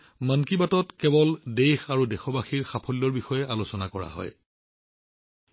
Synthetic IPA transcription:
mankibatɔtkɛbɔldejxaɹudɛxɔbaxiɹxapʰɔlːɔɹbixɔjɛʔalosɔnakɔɹa̰ɦɔ̰j

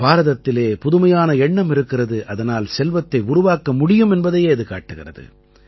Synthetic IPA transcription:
baːɾɐðɐt̪ːɪleːpʊðɯmɐjaːnɐɛɳːɐmɪɾɯkːɪrɐðɯʔɐðɐnaːlsɛlʋɐt̪ːɐɪʊɾʊʋaːkɐmʊɽɪjɯmɛnbɐðɐjeːɐðɯka̰ːʈːɯɣɪrɐ̰ðɯ̰

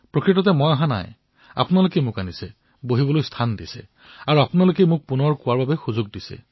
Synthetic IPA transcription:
pɹokɹitɔtɛmɔjaɦãna̰j | a̰pʊnalokɛjmʊkanisɛ̰ | boɦibɔlojstʰandisɛ̰ | aɹuapʊnalokɛjmʊk̚punɔɹkʊwaɹbabɛxuzʊɡ̚disɛ̰

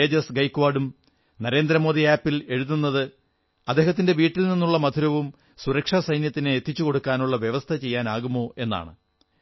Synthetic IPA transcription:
eːd͡ʑɐsɡɐjkːʋaːɖum | nɐɾe̞ːnd̪ɾɐmo̞ːd̪iaːpːile̞ɻuðunːɐðɨ | ɐd̪ːe̞ːɦɐt̪̬ːinde̞ʋiːʈːilninːuɭːɐmɐd̪ʰʱuɾɐʋum | suɾɐkʂaːsɐjnjɐt̪ːineːt̪ːit͡ɕːuko̞ɽukːaːnuɭːɐʋjeʋɐst̪ʰɐt͡ɕe̞jːaːnaːɣumːo̞ːʔe̞nːa̰ːɳɨ

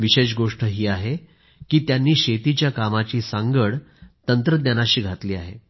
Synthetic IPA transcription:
ʋiɕeɕ̬ɡoʂʈəɦiːaɦe | kiːt̪janːiːɕet̪it͡ɕjakamat͡ɕiːsaŋɡəɽ | t̪ənt̪ɾəd̪nanaɕiːɡʱat̪liːaɦḛ

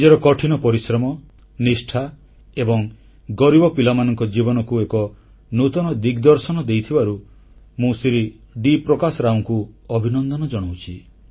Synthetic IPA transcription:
d͡ʒeɾɔkɔʈʰinɔpɔɾisɾɔmɔ | nisʈʰa | ebɔŋ | ɡɔɾibɔpilɔmanɔŋkɔd͡ʒibɔnɔkuekɔ | nut̪ɔnɔd̪iɡd̪ɔɾsɔnɔd̪ejt̪ʰibaɾu | mũsiɾi | ɖipɾɔkasɔɾawŋkuɔbʱinɔnd̪ɔnɔd͡ʒɔɽ̃awt͡ʃʰi

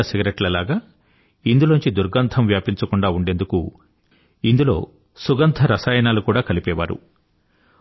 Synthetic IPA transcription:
ɐsiɡɾeʈlɐlaːɡaː | ind̪uloːɲt͡ʃid̪uɾɡɐnt̪ʰɐmʋjaːpiɲt͡ʃɐkuɳɖaːuɳɖe̞ːnd̪uku | ind̪ulo̞ː | suɡɐnt̪ʰɐɾɐsaːjɐnaːlukuːɽaːkɐlipɛːʋa̰ːɾṵ

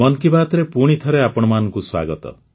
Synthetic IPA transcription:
mɔnkibaːt̪ɔɾepuɽ̃it̪ʰɔɾeapɔɽ̃ɔmanɔŋkuswa̰ɡɔt̪ɔ̰

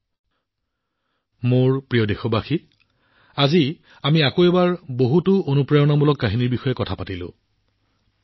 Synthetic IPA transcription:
moɹpɹijɔdexɔbaxi | azi | amiakoɛbaɹboɦutʊonupɹajɔnamulɔkːaɦiniɹbixɔjɛkɔtʰapatilʊ̰̃

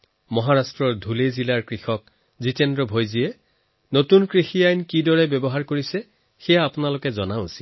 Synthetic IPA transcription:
mɔɦaɹastɹɔɹdʱulezilaɹkɹixɔk̚ | zitɛndɹɔbʱojziɛ | notunkɹixijajnkidɔɹɛbɔbɔɦaɹkoɹisɛ | xɛjaːpʊnalokɛzɔnaosi̥l

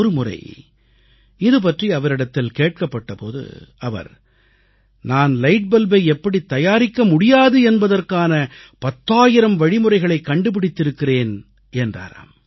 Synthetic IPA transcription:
ɾɯmʊrɐ̰ɪ | ɪðɯp̬ɐʈriɐʋɐɾɪɽɐt̪ːɪlkeːʈ̚kɐpːɐʈːɐpo̰ːðɯ̰ɐʋɐ̰ɾ | naːnlɐɪʈ̚bɐlbɐɪɛpːɐɽit̪ːɐjaːɾɪkːɐmʊɽɪjaːðɯɛnbɐðɐrkaːnɐpɐt̪ːaːjɪɾɐmʋɐɻɪmʊɾɐɪɣɐɭɐɪkːɐɳɖɯp̬ɪɽɪt̪ːɪɾɯkːɪreːn | ɛndra̰ːɾa̰ːm

